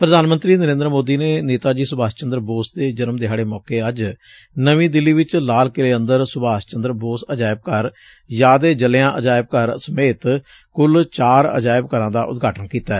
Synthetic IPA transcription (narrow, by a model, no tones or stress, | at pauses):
pɾəd̪aːnmənt̪ɾiːnəɾẽːnd̪ɾmoːd̪iːneːneːt̪aːd͡ʒiːsʊbaːst͡ʃənd̪ɾəboːsd̪eːd͡ʒənmd̪ɪɦaːɽeːmɔːkeːəd͡ʒ | nəʋĩːd̪ɪlːiːʋɪt͡ʃlaːlkɪleːənd̪əɾsʊbaːst͡ʃə̃nd̪ɾəboːsəd͡ʒaːɪb̚kəɾ | jaːd̪eːd͡ʒəlejãːʔəd͡ʒaːɪb̚kəɾsəmeːt̪ | kʊlt͡ʃaːɾə̰d͡ʒaːɪbkəɾãːd̪aːʔʊ̰t̪̚ɡʱaːʈənkiːt̪aːɛː